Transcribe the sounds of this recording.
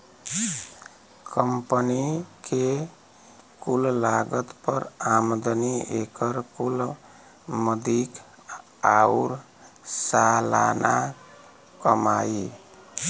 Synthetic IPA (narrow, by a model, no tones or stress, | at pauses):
kəmpənike | kullaɡət̪pəɾamd̪əniekəɾkul | məd̪ik | auɾ | salana | kəmai